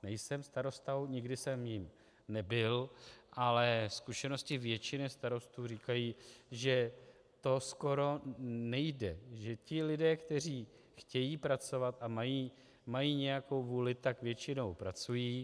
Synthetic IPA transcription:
nɛjsɛmst̪aɾo̞st̪awɲɪɡdɪsɛmjɪm | nɛbɪlʔalɛskuʃɛno̞scɪvjɛt͡ʃɪnɛst̪aɾo̞st̪uːriːkajiːʒɛ | t̪o̞sko̞ɾo̞nɛjdɛʒɛcɪlɪdɛːkt̪ɛr̝iː | xcɛjiːpɾat͡so̞vat̪ʔamajiː | majiːɲɛjako̞wvuːlɪt̪akvjɛt͡ʃɪno̞wpɾat͡sujiː

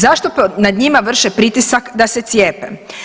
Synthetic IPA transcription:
zaʃt̪opnad̪ɲimaʋr̩ʃepɾit̪isakd̪ase̞t̪sje̞ːpḛ

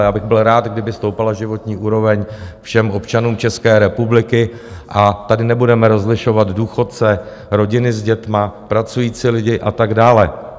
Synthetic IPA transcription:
jaːbɪɣbɪlɾaːt̪ɡdɪbɪst̪o̞wpalaʒɪvo̞t̪ɲiːʔuːɾo̞vɛɲfʃɛmʔo̞pt͡ʃanuːmt͡ʃɛskɛːɾɛpublɪkɪ | ʔat̪adɪnɛbudɛmɛɾo̞zlɪʃo̞vad̪duːxo̞t̪̚t͡sɛ | ɾo̞ɟɪnɪzɟɛt̪mapɾat͡sujiːt͡silɪɟɪʔat̪aɡdaːlɛ

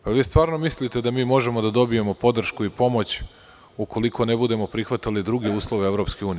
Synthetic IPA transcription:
paʋiːst̪ʋaːɾno̞mislit̪e̞d̪amiːmo̞ʒe̞mo̞d̪ad̪o̞bije̞mo̞po̞d̪r̩ʃkuipo̞mot͡ɕ | uko̞liko̞nebud̪e̞mo̞pɾixʋat̪alid̪ɾuɡeuːslˠoʋeeʋɾo̞pske̞uːni

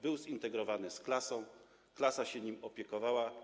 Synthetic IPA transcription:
bɘwzint̪ɛɡɾɔvanɘsklasɔ̃w̃ | klasaɕɛɲimɔpʲjɛkɔvawa

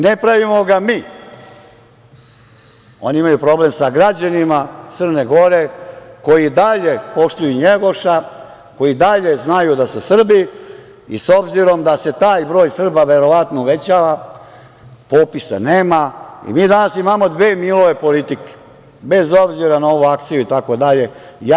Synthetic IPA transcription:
nepɾaʋimo̞ɡamiː | o̞niimajupɾo̞ble̞msaɡɾad͡ʑanimat̪sərneɡo̞ɾe̞ko̞jid̪aʎe̞po̞ʃt̪ujuɲeɡo̞ʃa | ko̞jid̪aʎe̞znajud̪asusr̩bi | ḭso̞bziɾo̞md̪ase̞t̪aːjbɾo̞ːjsr̩baʋe̞ɾo̞ʋat̪nouʋe̞t͡ɕaːʋa | poːpisa̰neːmaḭmiːd̪anasimamo̞d̪ʋeːmilˠoʋe̞po̞lit̪ike̥ | be̞zo̞bziɾanao̞ʋuakt̪sijuit̪ako̞d̪aʎe̞ja

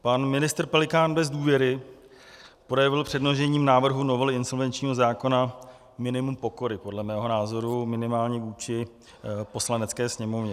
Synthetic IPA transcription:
panmɪnɪst̪r̩pɛlɪkaːnbɛzduːvjɛɾɪ | pɾojɛvɪlpr̥ɛdnoʒɛɲiːmnaːvr̩ɦuno̞vɛlɪɪnso̞lvɛnt͡ʃɲiːɦo̞zaːko̞na | mɪnɪmumpo̞ko̞ɾɪpo̞dlɛmɛːɦo̞naːzo̞ɾumɪnɪmaːlɲɛvuːt͡ʃɪ | po̞slanɛt͡skɛːsɲɛmovɲɛ

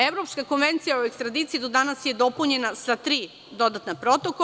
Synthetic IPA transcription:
eʋɾo̞pskako̞nʋe̞nt̪sijaoekst̪ɾad̪iːt̪sijid̪o̞d̪anasje̞d̪o̞puɲe̞nasat̪ɾiː | d̪o̞d̪at̪napɾo̞t̪ok

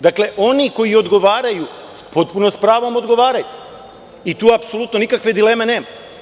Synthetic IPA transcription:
d̪akle̞ʔo̞niko̞jio̞d̪ɡo̞ʋaːɾaju | po̞t̪punospɾaːʋo̞mod̪ɡo̞ʋaːɾaju | it̪uːapsolˠut̪no̞nikakʋe̞d̪ile̞ːme̞ne̞ːma

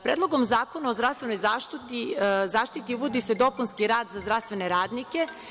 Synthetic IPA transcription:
pɾeːd̪lˠo̞ɡo̞mzaːko̞naozɾast̪ʋe̞no̞jzaːʃt̪t̪izaːʃt̪it̪iuʋod̪ise̞d̪o̞punskiɾaːd̪zazd̪ɾast̪ʋeneɾaːd̪nike̞

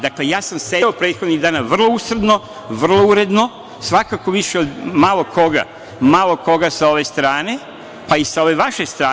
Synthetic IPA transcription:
d̪akle̞jaːsamseopɾeːt̪xod̪niɣd̪aːnaʋr̩lˠo̞usrɾ̩d̪no̞ | ʋr̩lˠo̞uɾe̞d̪no̞ | sʋakakoʋiʃeod̪malˠo̞kʰo̞ɡa̰ | malo̞ko̞ɡasao̞ʋe̞st̪ɾaːne̞ | paisao̞ʋe̞ʋaʃe̞st̪ɾaː

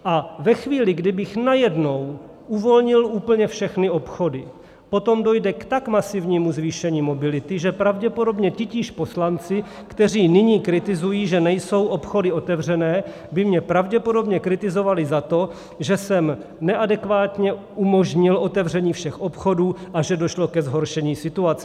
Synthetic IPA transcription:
ʔavɛxviːlɪɡdɪbɪxnajɛdno̞w | ʔuvo̞lɲɪluːpl̩ɲɛfʃɛxnɪo̞pxo̞dɪ | po̞t̪o̞mdo̞jdɛkt̪akmasɪvɲiːmuzviːʃɛɲiːmo̞bɪlɪt̪ɪʒɛpɾavɟɛpodo̞bɲɛcɪciːʃposlant͡sɪ | kt̪ɛr̝iːnɪɲiːkɾɪt̪ɪzujiːʒɛnɛjso̞wʔo̞pxo̞dɪo̞t̪ɛvr̝ɛnɛː | bɪmɲɛpɾavɟɛpo̞do̞bɲɛkɾɪt̪ɪzo̞valɪzat̪o̞ | ʒɛsɛmnɛʔadɛkvaːt̪ɲɛ | umoʒɲɪlʔo̞t̪ɛvr̝ɛɲiːfʃɛxʔo̞pxo̞duːʔaʒɛdo̞ʃlo̞kɛzɦo̞ɾʃɛɲiːsɪt̪uat͡sɛ

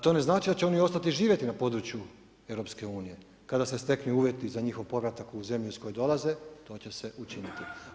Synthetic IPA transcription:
t̪o̞ːne̞znaːt͡ʃid̪at͡ɕeo̞nio̞st̪at̪iʒiːʋʲje̞t̪inapo̞d̪ɾut͡ɕju | eʋɾo̞pske̞uːnije̞ | kad̪asest̪e̞knujuːʋje̞t̪izaɲixo̞ʋpo̞ʋɾat̪akuze̞mʎuisko̞jod̪o̞laze̞t̪o̞ːt͡ɕe̞se̞ʔut͡ʃinit̪i

